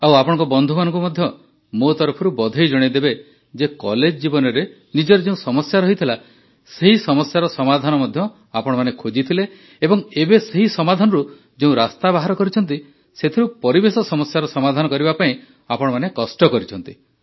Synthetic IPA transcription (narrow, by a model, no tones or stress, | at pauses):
awapɔɽ̃ŋkɔbɔnd̪ʱumanɔ̃ŋkumɔd̪ʱjɔ | mot̪ɔɾpʰɔɾubɔd̪ʱɔjd͡ʒɔɽ̃id̪ebe | d͡ʒekɔled͡ʒɔd͡ʒibɔnɔɾe | nid͡ʒɔɾed͡ʒeũsɔmɔsjaɾɔɦit̪ʰila | seɦisɔmɔsjaɾɔsɔmad̪ʱanɔmɔd̪ʱjɔ | apɔɽ̃ɔmanekʰod͡ʒit̪ʰile | ebɔŋebeseɦisɔmad̪ʱanɔɾu | d͡ʒeũɾast̪abaɦaɾɔkɔɾit͡ʃʰɔnt̪̬i | set̪ʰiɾupɔɾibesɔsɔmɔsjaɾɔsɔmad̪ʱanɔkɔɾibapaĩ | apɔɽ̃ɔmanekɔsʈɔkɔɾit͡ʃʰɔn̪t̪i̥